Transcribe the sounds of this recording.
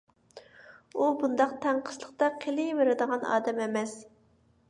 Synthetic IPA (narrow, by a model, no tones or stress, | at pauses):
ubund̪ɑq̚t̪ʰɛɴqʰə̥slˠəχt̪ɑqʰelɪveɾɪd̪əʁɑnɑ̰ːd̪ɛmɛmɛs